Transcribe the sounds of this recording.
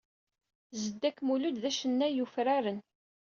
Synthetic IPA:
zəd̪ːækːmulud̪ðæʃənːæjufɾaɾən

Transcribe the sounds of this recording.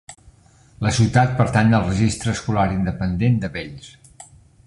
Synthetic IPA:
ləsiwt̪at̪̚pəɾt̪anəlˠrəʒist̪ɾəːskulaɾind̪əpənd̪end̪əβeʎs

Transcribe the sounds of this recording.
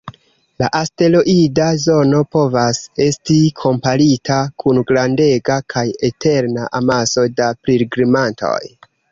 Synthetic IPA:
la̰ʔaste̞loʔidazo̞no̞po̞vase̞stikʰo̞mpaɾitʰakʰunɡɾande̞ɡakʰaje̞tʰe̞ɾnaʔamaso̞dapɾiɾɡɾimantʰo̞̰j

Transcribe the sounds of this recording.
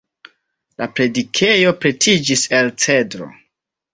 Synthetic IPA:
lapɾe̞dikʰe̞jo̞pɾe̞tʰid͡ʒise̞lt͡sedɾo̞̰

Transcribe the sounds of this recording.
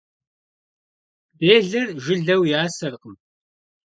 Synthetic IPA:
beːɮɨrʒɪɮɐwjaːsɐrqəm

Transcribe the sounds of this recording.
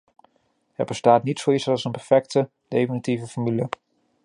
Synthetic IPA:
hɛrbəstaːtnitsowisɑlˠsənpɛɹfɛk̚tə | d̥ejfinitivəfɔɹmylə

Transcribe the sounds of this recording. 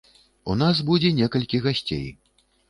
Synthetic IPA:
unas̬bud͡zʲɛnʲɛkɐlʲkʲiɣasʲt͡sʲḛj

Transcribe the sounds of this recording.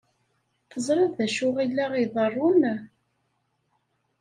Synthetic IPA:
θəzˤɾˤɑððæʃʊʁilːæʁiðˤərˤːun

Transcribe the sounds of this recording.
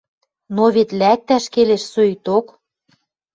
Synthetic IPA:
noβet̪læk̚t̪æʃkeleʃsøt̪ok

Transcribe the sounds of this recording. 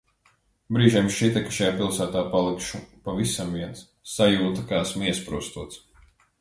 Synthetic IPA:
bɾiːʒiɛmʃit̪ɛkḁʃajaːpilˠsæːt̪aːpalˠikʃupavisamviɛnsː | ajuːt̪akaːæsmiɛspɾuɔst̪uɔt̪s

